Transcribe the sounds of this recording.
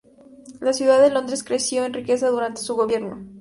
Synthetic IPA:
lasjuðaðelo̞nd̪ɾe̞skɾe̞sjo̞enrike̞saðuɾant̪e̞suɣo̞βje̞ɾno̞

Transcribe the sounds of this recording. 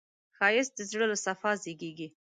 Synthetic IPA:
xɑjɪsd̪əzɽəlasafɑzeɡeɡi

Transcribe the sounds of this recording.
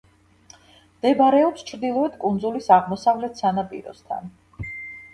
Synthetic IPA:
md̪̥ɛbaɾɛɔpst͡ʃʰɾd̪ilˠɔɛt̪kʼund̪zulisaʁmɔsavlɛt̪ʰsanapʼḭɾɔ̰st̪ʰa̰n

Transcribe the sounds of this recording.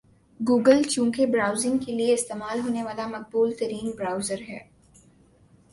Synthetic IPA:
ɡuːɡəlt͡ʃũːkebɾaːʊzɪ̃ŋɡkelieɪst̪eːmaːlɦoːneʋaːlamɐq̚buːlt̪ɐɾiːnbɾaːʊzəɾɦɛ̰ː

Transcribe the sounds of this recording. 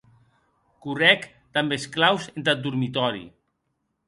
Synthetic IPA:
kurɛk | t̪ambesklawzent̪at̪̚d̪uɾmit̪ɔɾḭ

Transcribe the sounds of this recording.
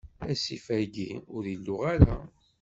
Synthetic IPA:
æsifæɡiʊɾilːʊʁaɾa̰

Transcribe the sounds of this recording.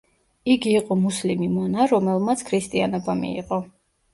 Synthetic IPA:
iɡiːqʼɔmuslimimɔnaɾɔmɛlˠmat̪sʰkʰɾist̪ʼianɔbamḭḭqʼɔ

